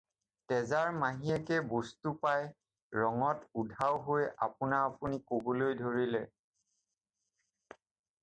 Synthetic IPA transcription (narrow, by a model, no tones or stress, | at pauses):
tɛzaɹmaɦiɛkɛbostupaj | ɹɔŋɔtudʱawɦoja̰pʊnaːpunikobolojdʱoɹilɛ